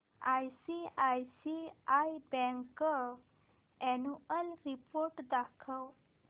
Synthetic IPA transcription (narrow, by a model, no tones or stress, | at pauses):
ajsiajsiajbɛ̃ŋkə | ɛnuəlɾipoɾʈd̪akʰəw